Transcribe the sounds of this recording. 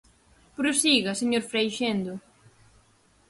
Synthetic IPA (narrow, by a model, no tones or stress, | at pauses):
pɾosiɣɐseɲoɾfɾejʃend̪ʊ